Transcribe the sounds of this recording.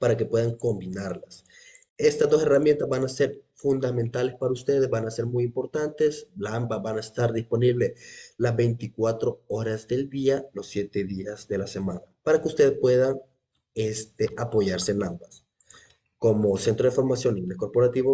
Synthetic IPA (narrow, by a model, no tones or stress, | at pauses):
paɾake̞pwe̞ðaŋko̞mbinaɾlas | e̞st̪azd̪o̞se̞ramje̞nt̪azβanase̞ɾfund̪amẽ̞nt̪ale̞spaɾaust̪e̞ðezβanase̞ɾmujimpo̞ɾt̪ant̪e̞slambaβanaest̪aɾðispo̞niβle̞lazβe̞jnt̪ikwat̪ɾo̞oɾazðe̞ld̪ialo̞sːje̞t̪e̞ðiazd̪e̞lase̞mãnapaɾakeust̪e̞ðespwe̞ðaŋ | est̪eʔapo̞ʝaɾseːnambas | ko̞mo̞se̞nt̪ɾo̞ð̞efoɾmasjo̞nlimnesko̞ɾpo̞ɾat̪iβo